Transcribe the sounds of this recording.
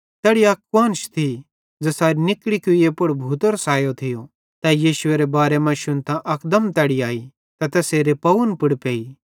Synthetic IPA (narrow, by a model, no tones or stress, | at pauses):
t̪ɛːɽijakʋãːnʃt̪ʰi | d͡zɐsaːɾinɪkɽikʊiepʊɽbʱuːt̪əɾsaːjot̪ʰɪjo | t̪ɐjiːʃʊeɾebaːɾemɐ̃ʃʊnt̪ãʔɐkd̪əmt̪ɛːɽiaːi | t̪ɐt̪ɛseːɾepɐʊnpʊɽpeːi